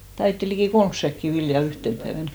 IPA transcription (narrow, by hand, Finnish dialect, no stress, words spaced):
tɑitːi likiˑ kolms sækːi ʋiljɑ yhten pæeʋænk